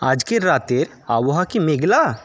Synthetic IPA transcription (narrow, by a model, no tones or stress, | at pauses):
a̰ːd͡ʒkeɾaːt̪eɾ | aːwoɦakimeɡla